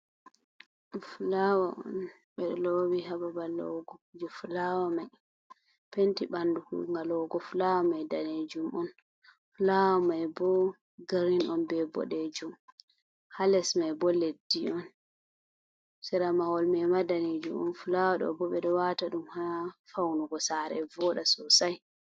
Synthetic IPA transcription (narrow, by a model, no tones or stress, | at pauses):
fulawaʔɔ̰n | ɓɛɗɔlowiɦababalɔ̰ɡɔkud͡ʒɔfulawamaj | pentiɓandukuŋɡalɔɡɔfulawamajdaned͡ʒumɔn | fulawamajbɔ | ɡaɾinɔnbɛbɔ̰ɗed͡ʒum | halɛsmajbɔlediɔn | sɛɾamawɔlmɛmadaned͡ʒumɔnfulawaɗɔ̰bɔɓɛɗɔwataɗumhaafawnuɡɔsaɾɛ̰vɔɗasɔsaj